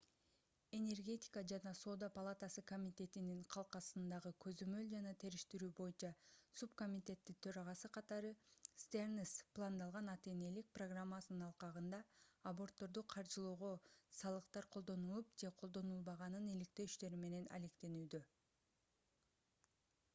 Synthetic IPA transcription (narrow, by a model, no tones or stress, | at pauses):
e̞nʲe̞rɡʲe̞t̪ʲi̥kəd͡ʒɑnɑso̞d̪apalˠat̪asɯko̞mʲit̪ʲe̞t̪iniɴqʰɑlˠqɑsɯnd̪ɑʁɯkʰø̞zø̞mø̞ld͡ʒɑnɑt̪ʰe̞ɾiʃt̪iɾyːbo̞junt͡ʃɑsup̚ko̞mʲit̪ʲe̞t̪ːit̪ʰø̞ɾɑʁɑsɯqʰɑt̪ɑɾɯst̪ernisplˠand̪ɑlˠʁɑnɑt̪e̞ːne̞lik̚proɡramːasnɯnɑlˠqɑʁɯnd̪ɑːbo̞rt̪ːo̞ɾd̪uqʰɑɾd͡ʒɯlˠuːʁo̞sɑlˠɯqt̪ɑɾqʰo̞lˠd̪o̞nulˠupd͡ʒe̞qʰo̞lˠd̪o̞nulˠbɑʁɑnɯnilikt̪e̞yʃt̪e̞ɾime̞ne̞nɑ̰le̞kt̪e̞nyːd̪ø